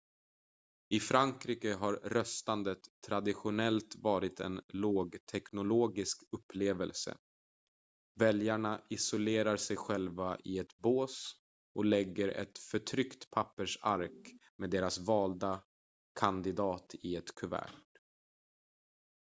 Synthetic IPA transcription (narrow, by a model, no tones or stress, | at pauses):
ɪfɾaŋkɾiːkəɦaɾɾœst̪and̪ət̪ʰːɾad̪ɪɧʊnɛlt̪vɑːɾɪt̪ʰɛ̰nloːɡt̪ʰɛknʊloːɡɪskɵpʰːleːvəlsə̰ | vɛljaɳaɪsʊleːɾaɾsɛjɧɛlvaʔɪɛt̪boːs | ʔɔlɛɡːəɾɛ̰t̪fœʈʰɾʏkt̪pʰapːəʂaɾkmeːd̪eːɾasvɑːld̪a | kʰand̪ɪd̪ɑːt̪ʰɪɛt̪kʰɵvæ̰ːʈ